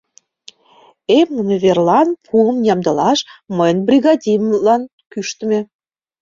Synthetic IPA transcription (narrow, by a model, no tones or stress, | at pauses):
emunəvʲerlɑnpʰuəmjʲɑmd̪ɤ̆lɑʃməjənbrʲiɣɑd̪ʲimlɑn | kyʃt̪ə̆mĕ